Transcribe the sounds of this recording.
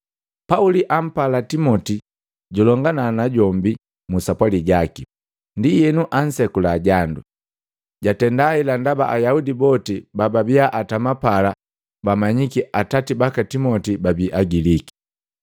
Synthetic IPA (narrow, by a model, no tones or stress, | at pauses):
pauliʔam̩palatimɔti | ɟulɔŋɡananaɟɔmbi | musapwaliɟaki | ndijɛnuʔan̩sɛkulaɟandu | ɟatɛndailandaba̰ʔajaudibɔtibababiaʔatamapala | bamaɲikiʔatatibakatimɔtibabiʔaɡiliki̥